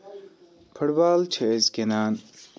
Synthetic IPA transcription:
pʰɐɽbaːlt͡ʃʰezkenaːn

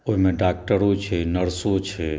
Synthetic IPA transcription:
oɦimẽɖak̚ʈəɾot͡ʃʰenəɾsot͡ʃʰe

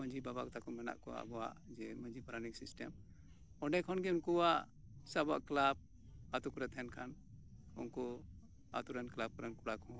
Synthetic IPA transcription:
mə̃d͡ʒibabakɔt̪akɔmɛna̰ʔkɔa̰bɔa̰ʔd͡ʒɛmə̃d͡ʒipaɾaniksisʈɛ̰m | ɔɖɛkʰɔnɡɛunkuwaʔ | saba̰ʔklab̚ | at̪ukɾɛt̪ʰɛnkʰan | ɔ̰ŋkɔ | a̰t̪uɾɛnklab̚kɾɛnkuɽakɔ

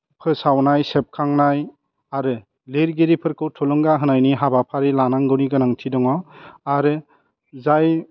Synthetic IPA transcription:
pʰɯsawnajsep̚kʰaŋnaj | aɾɯ | leɾɡeɾipʰɯɾkʰɯwtʰɔlɔŋɡaɦɯnajniɦabapʰaɾilanaŋɡɯniɡɯnaŋtʰidɔŋɔaɾɯ | zaj

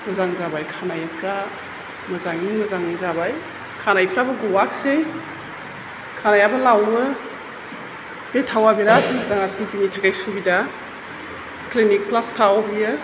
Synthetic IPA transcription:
mɐzaŋzabajkʰanajɐpʰɾa | mɐzaŋimɐzaŋnizabaj | kʰanajpʰɾabɐɡuwak̚sej | kʰanajabɐlawbɐ | b̥etʰawabiɾatzaŋakʰiziŋitʰaɡajsubida | klinik̚plastʰawbijɯ

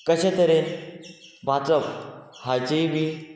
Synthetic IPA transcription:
kəɕẽt̪əɾen | bʱad͡zəphad͡ʑeʋi

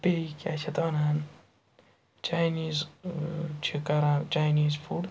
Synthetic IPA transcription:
peikʲaːt͡ʃʰɐt̪ʋɐnan | t͡ʃajniːz | t͡ʃʰikɐɾat͡ʃajniːzfʰuɽ

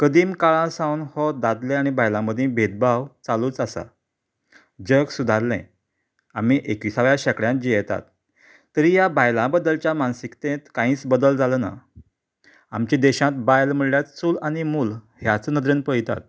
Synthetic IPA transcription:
kəd̪iːmkaɭãsãwnhɔd̪ad̪lẽañibajlãməd̪ʱĩbʱed̪̚bawt͡saluːt͡sasa̰ | d͡ʑəksud̪ʱaɾlḛ̃ | am̤iʔekʋisaʋjaɕəkɽjãd͡ʑijɛt̪a̰t̪ː | əɾijabajlãbəd̪əlt͡ɕjamansikt̪ẽt̪kãĩːt͡sbəd̪əld͡zaləna̰ | a̰mt͡ɕĩd̪ɛɕãt̪bajlm̤əɭljat͡ssuːlaɽ̃imuːl | hjat͡sənəd̪ɾənpəjt̪a̰t̪̚

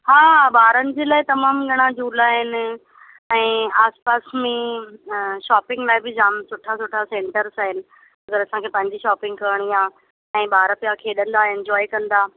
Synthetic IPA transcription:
haːɓaːɾənɪ̆d͡ʑeːlaːɪt̪ɐmaːmɡʱɐɽ̃ãd͡ʑuːlaːɦɪnɪ̆ | ɛ̃ːaːspaːsmẽ | ʃaːpɪ̃ŋɡlaːɪbɪd͡ʑaːmsʊʈʰasʊʈʰasẽːɳʈəɾsaːɦɪnɪ̆ | ɐɡəɾɐsãkʰeːpɐ̃ɦɪ̃ɲd͡ʑiʃaːpɪ̃ŋɡkɐɾɽ̃iãː | ɛ̃ːɓaːɾpijakʰeːɗə̃nd̪aːɦɪnɪ̆d͡ʑɔːikɐ̃nd̪aː

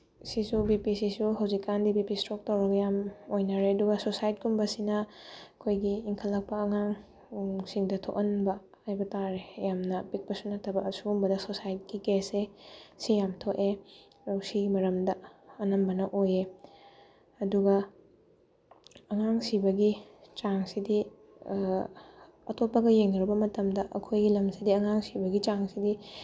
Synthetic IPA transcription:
sisubipisisuɦɐwzikːandibipistɾok̚tɐwɾɐɡɐjamojnɐɾeɐduɡɐsosajt̚kumbɐsinɐɐkʰojɡiːŋkʰɐlːɐk̚pɐɐŋaŋ | siŋdɐtʰo̰ʔɐnbɐ | hajbɐtaɾejamnɐpik̚pɐsunɐtʰɐbɐɐsumbɐdɐsosajit̚kikesesijamtʰoʔe | ɾɐwsiɡimɐɾɐmdɐɐnɐmbɐnɐʔoje | ɐduɡɐ | ɐŋaŋsibɐɡit͡ʃaŋsidi | ɐ̰topːɐɡɐjeŋnɐɾɐbɐmɐtɐmdɐʔɐkʰojɡilɐmsidiɐŋaŋsibɐɡit͡ʃaŋsidi

